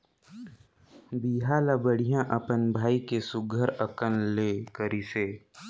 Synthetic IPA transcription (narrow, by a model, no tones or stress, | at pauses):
biːɦalabəɽ̤ijãʔɐpənbʱaːikesʊɡʱəɾɐkənleːkəɾiseː